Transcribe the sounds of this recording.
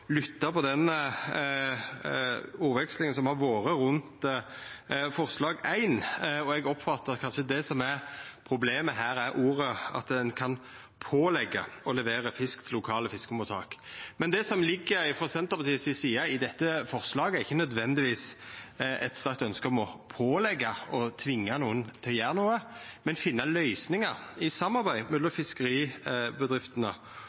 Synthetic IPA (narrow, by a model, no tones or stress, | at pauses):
lʏt̪ːɑpɔd̪ɛn | uːɾʋɛkslɪŋənsɔmhɑɾʋoːɾəɾʉnt̪ | fɔʁslɑːɡæɪnɔɛɡɔpːfɑt̪ːəkʰɑnʃəd̪ɛsɔmæɾpʰɾʊbleːməɦæːɾæɾʔuːɾəɑ̰t̪d̪ɛnkʰɑn | pʰoːlɛɡːɑɔlɛʋeːɾəfɪskt̪ʰɪlːʊkʰɑːləfɪskʊmʊt̪ʰɑ̰ːkmɛnd̪ɛsɔmlɪɡːəɾɪfɔsɛnt̪əpɑt̪iːəsɪsiːɑɪd̪ɛt̪ːəfɔʁslɑːɡəæɾɪçːənœd̪ʋɛnd̪ɪʋiːs | ɛ̰t̪st̪æɾk̚t̪œnskəɔmɔpʰoːlɛɡːɑɔt̪ʰʋɪŋːɑnuːənt̪ʰɛjæːʁnuːəmɛnfɪnːɑlœʏsnɪŋɑɾɪsɑmːɑɾbæɪmɛlɔmfɪskəɾiːbəd̪ɾɪft̪ənə